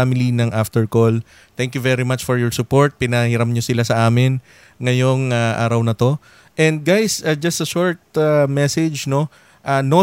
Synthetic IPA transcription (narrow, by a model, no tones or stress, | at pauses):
amɪlinɐŋʔaft̪ɛɹkol | t̪ɛ̃ŋkjuvɛɾimat͡ʃfɔɹjɔɹsʊpoɹt̪̚pɪnɐhɪɾamɲosɪlasɐʔaːmɪn | ŋɐjoŋaʔa̰ːɾɐwnɐt̪o̞ | ʔɛ̃nd̪̚ɡajsɐd͡ʒɐst̪ɐʃoɹt̪̚amɛsɛd͡ʒno̞ | ʔano